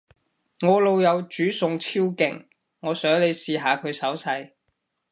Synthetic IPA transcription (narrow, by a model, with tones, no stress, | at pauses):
ŋɔː˨˧lo˨wjɐ˨˧wt͡ʃyː˨˥sʊ˨ŋt͡sʰiː˥wkɪ̰˨˩ŋ | ŋɔː˨˧sœː˨˥ŋle˨˧jsiː˨ɦaː˨˧kʰɵ˨˧ɥsɐ˨˥wsɐ˧j